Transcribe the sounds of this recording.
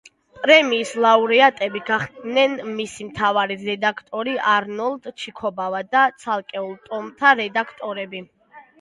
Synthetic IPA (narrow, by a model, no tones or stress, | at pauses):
pʼɾɛmiːslˠauɾɛat̪ʼɛbiɡaχd̪nɛnmisimt̪ʰavaɾiɾɛd̪akʰt̪ʼɔɾiʔaɾnɔlˠd̪t͡ʃʰikʰɔbavad̪at̪sʰalˠkʼɛulˠt̪ʼɔmt̪ʰaɾɛd̪akʰt̪ʼɔɾɛbi